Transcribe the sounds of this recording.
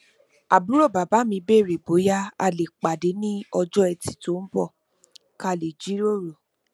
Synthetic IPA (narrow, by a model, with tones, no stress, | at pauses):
a˨bu˨˦ɾo˦˨ba˨ba˨˦mĩ˧be˦˨ɾe˨bo˨˦ja˦a̰˧˨le˨k͡pa˨de˨˦nĩ˦ɔ˧d͡ʒɔ˦ɛ˧ti̥˨˦to˨˦n̩˦bɔ˦˨ | ka˦˨le˨d͡ʒi˦ɾo˦˨ɾo˨